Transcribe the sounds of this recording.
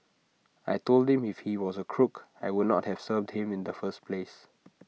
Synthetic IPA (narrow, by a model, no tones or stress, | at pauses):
a̰jtold̚hĩmifhiwɔzəkʰɹukajwud̚ⁿnɔ̰t̚hɛv̥səvdhĩmĩndəfəspʰles